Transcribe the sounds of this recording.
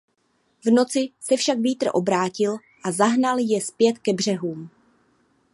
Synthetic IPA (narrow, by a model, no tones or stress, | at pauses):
vno̞t͡sɪsɛfʃakviːt̪ɾo̰ʔo̞bɾaːcɪl | ʔazaɦnaljɛspjɛt̪kɛbr̝ɛɦuːm